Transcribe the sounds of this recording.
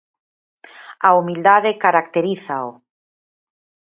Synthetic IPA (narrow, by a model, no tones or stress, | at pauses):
aumild̪aðekaɾak̚t̪eɾiθaʊ